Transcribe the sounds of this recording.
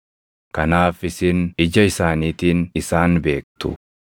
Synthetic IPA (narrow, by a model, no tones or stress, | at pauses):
kɐnaːfɪsɪnɪd͡ʒɐɪsaːniːt̪iːnɪsaːnbe̞ːk̚t̪ʊ̰